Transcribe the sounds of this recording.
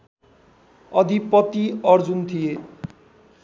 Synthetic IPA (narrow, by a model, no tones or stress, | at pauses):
ʌd̪ʱipʌt̪iʌɾd͡zunt̪ʰie